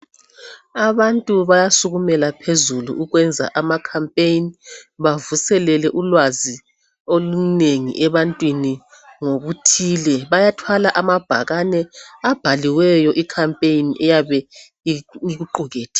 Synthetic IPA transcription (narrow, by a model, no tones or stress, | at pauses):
aβantʼuβajasuɣumɛlapʰezulṵʔuɣwɛnd͡zʱa̰ʔamakʰampʼejiniβavusɛlɛlɛʔulwazi | oluneŋḭʔɛβantʼwini | ŋoβutʰiːlɛβajatʰwalaʔamab̥ʱa̰ɣanɛab̥ʱaliwɛjɔʔikʰampʼeiniʔɛjaβɛ | iɣuǃuɣeːtʰi̥